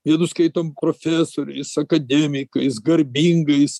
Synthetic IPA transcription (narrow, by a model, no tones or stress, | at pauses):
jʲiɛd̪ʊskɐɪt̪ompɾoːfʲæːsoːɾʲɛɪsɐkɐd̪ʲɛmʲɪkɐɪsɡɐɾʲbʲiŋɡɐɪs